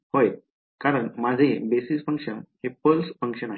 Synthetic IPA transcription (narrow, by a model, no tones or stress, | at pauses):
hoj | kaɾəɳmad͡zʱebesisfə̃ŋkʂənhepəlsfə̃ŋkʂəna